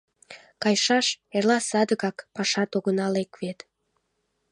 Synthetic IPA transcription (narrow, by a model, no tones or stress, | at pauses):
kɑjʃɑʃerlɑsɑd̪əɣɑkpɑʃɑt̪oɣənɑlekβet̪